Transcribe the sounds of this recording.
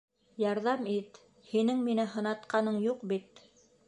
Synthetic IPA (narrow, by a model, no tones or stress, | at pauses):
jɑɾðɑmit̪ | hinɘŋminɘɦɤ̆nɑt̪qɑnɤɴjuqbit̪̚